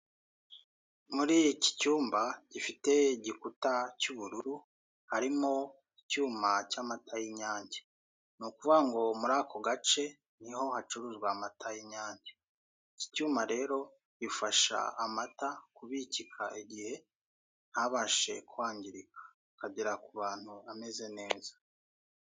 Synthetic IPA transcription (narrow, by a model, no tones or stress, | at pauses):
muɾijici̥cuːmbaɟ̥ifite̞iɟikutacuβuɾuɾu | haɾimo̞ | icuːmacaːmatʰajiɲaːɲɟe | nukuvuɡaŋɡo̞muɾaːkʰo̞ɡat͡ʃe̞ | niho̞hat͡ʃuɾuʒɡwamatʰajiɲaːɲɟe | ici̥cuːmaɾe̞ːɾo̞ | ɟifaʃa̰amatakuβicikʰaiɟihe̞ | nhaβaʃe̞̰kuwaːɲɟiɾikʰḁ | kaɟiɾakuβaːn̥huame̞ze̞ne̞ːza